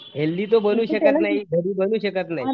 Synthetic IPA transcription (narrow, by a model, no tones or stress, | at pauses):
ɦelːiːt̪obənuːɕəkət̪naɦid̪ʱəɾiːbənuːɕəkət̪naɦi